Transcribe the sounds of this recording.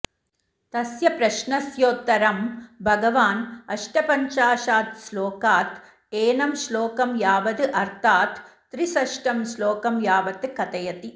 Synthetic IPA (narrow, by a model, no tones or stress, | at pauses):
t̪ɐsjɐpɾɐʃnɐsjoːt̪ːɐɾɐmbʱɐɡɐʋaːnɐʂʈɐpɐɲt͡ʃaːʃaːt̪sloːkaːt̪ | eːnɐmsloːkɐmjaːʋɐd̪ɨʔɐɾt̪ʰaːt̪ː | ɾisɐʃʈɐmsloːkɐmjaːʋɐt̪ɨkɐt̪ɐjɐt̪i